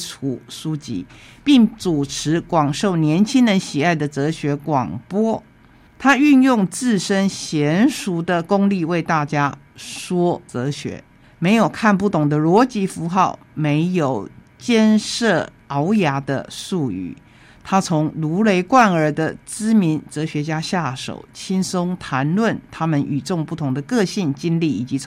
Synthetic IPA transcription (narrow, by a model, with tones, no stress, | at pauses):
u˨˩ʂu˥t͡ɕḭ˧˥pi˥˩ŋt͡su˨˩ʈ͡ʂʰɻ̩˧˥kwɑ˨˩ŋʂo˥˩ʊnjɛ˧˥nt͡ɕʰi˥ŋɻə˧˦nɕi˨˩a˥˩ɪd̪ə˩t͡sɤ˧˥ɕɥɛ˧˥kwɑ̰˨˩ŋpwɔ˥ | t̪ʰa˥y˥˧njʊ˥˧ŋt͡sɹ̩˥˩ʂə˥nɕjɛ˧˦˥nʂu˧˥d̪ə˨kʊ˥ŋli˥˧we˥˧ɪt̪a˥˩t͡ɕja˥ | ʂwɔ˥t͡sɤ˧˥ɕɥɛ̰˧˥˦ | me˧˥ɪjo˨˩ʊkʰa˥˧np̬u˥˩t̪ʊ˨˩ŋd̪ə˦lwɔ˧˥t͡ɕi˧˥fu˧˥xɑ˥˩ʊ | me˧˥ɪjo˨˩ʊ | t͡ɕjɛ˥˧nʂɤ˥˩ | ɑ˧˦ʊja˧˥d̪ə̰˧su˥˩y̰˨˩ | t̪ʰa˥t͡sʰʊ˧˥ŋlu˧˥le˧˥ɪkwa˥˩nə˞˧˥d̪ə˧t͡sɹ̩˥mi˧˦nt͡sɤ˧˥ɕɥɛ˧˥t͡ɕja˥ɕja˥˩ʂo̰˨˩ʊt͡ɕʰi˥nso˥ŋt̪ʰa˧˥nlwə˥˨nt̪ʰa˥mə˨nʔy̰˨˩ʈ͡ʂʊ˥˧ŋpu˥˩t̪ʰʊ˧˥ŋd̪ə˧kɤ˥˧ɕi˥˩nt͡ɕi˥nli˥˩i˨˩t͡ɕi˧˥t͡sʰ